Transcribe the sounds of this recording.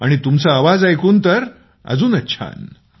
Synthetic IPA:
aɽ̃it̪umt͡saːʋad͡zajkuːnt̪əɾ | ə̰d͡zuːnətːɕʰa̰n

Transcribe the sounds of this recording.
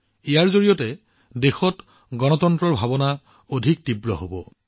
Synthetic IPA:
ijaɹzoɹijɔtɛ | dexɔt | ɡɔnɔtɔntɹɔɹbʱabɔna | odʱik̚tibɹɔɦobɔ̰

